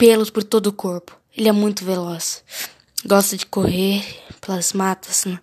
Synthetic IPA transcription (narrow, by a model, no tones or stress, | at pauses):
pelʊspoɾt̪od̪ʊkoɾpʊ̥ | elɪɛmũj̃t̪ʊvelɔs | ɡɔst̪ɐd͡ʒɪkoheɾpelɐzmat̪ɐ̥snɛ̃